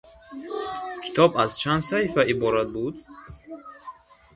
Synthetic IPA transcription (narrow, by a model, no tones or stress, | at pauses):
kʰi̥t̪ʰɔbazt͡ʃʰand̪sahifaibɔɾat̪̚bud̪